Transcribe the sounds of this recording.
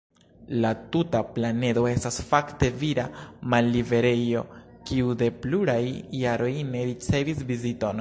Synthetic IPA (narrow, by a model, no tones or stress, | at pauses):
latutaplane̞do̞e̞stasfakte̞viɾamalːive̞ɾe̞jo̞̰ | kiude̞pluɾajːaɾo̞jne̞ɾit͡se̞visvizito̞n